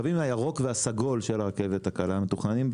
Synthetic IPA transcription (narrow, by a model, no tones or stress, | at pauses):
vimajaʁo̞kveasaɡo̞lʃe̞laʁke̞ve̞t̪hakalamet̪uχanim